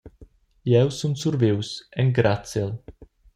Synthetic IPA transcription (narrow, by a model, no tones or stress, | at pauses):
jɛwsunsuɾviwsɛŋɡɾat̪sɪl